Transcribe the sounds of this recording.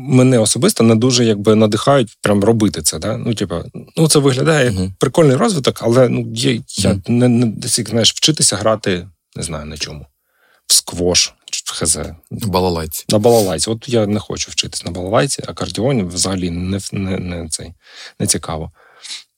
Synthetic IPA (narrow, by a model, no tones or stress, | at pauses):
mɛnɛɔsɔbɪst̪ɔnɛd̪uʒɛjaɡ̚bɪnɐd̪ɪxɑjʊt̚ʲpɾʲamrɔbɪt̪ɪt̪sɛd̪ɑnʔutʲipɐ̰nut̪sɛʋɪɦlʲɐd̪ɑjɛjɐkpɾɪkɔlʲnɪjɾɔzʋɪt̪ɔkʰɐlˠɛnujɛjanɛnɛd̪ɛsʲikznɑjɪʃw̥t͡ʃɪt̪ɪsʲɐɦɾɑt̪ɪ | nɛznɑjʊnɐt͡ʃɔmu | wskʋɔʃʋxezɛ̰bɐlˠɐlˠʲnɐbɐlˠɐlˠɑjt͡sʲiɔt̪janɛxɔ̰t͡ʃʊwt͡ʃɪt̪ɪ̥sʲnɐbɐlˠɐlˠɑjt͡sʲḭʔɐkɐrdʲiɔnʲʋzɐɦɐlʲinɛnɛnɛt̪sɛ̰jnɛt͡sʲikɑʋɔ